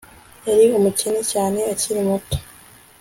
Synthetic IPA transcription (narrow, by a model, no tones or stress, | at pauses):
eɾiomucenecaːne̞aciɾimutḁ